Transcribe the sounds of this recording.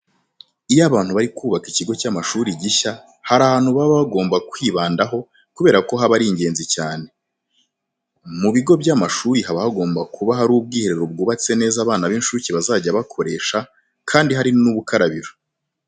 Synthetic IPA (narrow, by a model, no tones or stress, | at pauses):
ijaβaːn̥huβaɾikuːβakiciɡo̞caːmaʃuɾiɟiça | haɾaːhaːn̥huβaβaaɡo̞ːmbakwiːβaːndaɦo̞ | kuβe̞ːɾako̞ɦaβaɾiːɲɟe̞ːnzicaːne̞ | muβiɡo̞bjamaʃuːɾiɦaβahaɡo̞ːmbakʰuβaɦaɾuːb̚ɡiːheɾe̞ɾob̚ɡuːβat͡se̞ne̞ːzaβaːnaβinʃuciβazaːɟaβakʰo̞ɾe̞ːʃa | kʰaːndiɦaɾinuβukaɾaβiɾo